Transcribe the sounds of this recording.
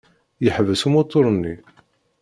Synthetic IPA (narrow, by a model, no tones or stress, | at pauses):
jəħvəsumot̪ˤːoɾˤənːi